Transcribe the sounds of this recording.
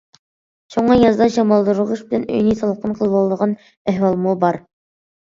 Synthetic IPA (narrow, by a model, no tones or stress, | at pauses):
ʃoɴɑjɑzd̪ɑʃɑmɑlˠd̪uɾʁuʃbɪlɛnø̰jnijsɑlˠqʰənqʰəlˠwɑlˠd̪əʁɑn | æhwɑlˠmubɑɾ